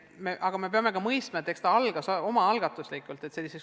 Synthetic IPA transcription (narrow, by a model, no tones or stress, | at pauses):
meʔɑɡ̥ɑme̞pe̞ɑme̞ɡɑmɤjst̪mɑet̪ːe̞kst̪ɑɑlɡ̥ɑso̞mɑɑlɡ̥ɑt̪ːˑuslikːˑult̪ˑe̞t̪se̞lːises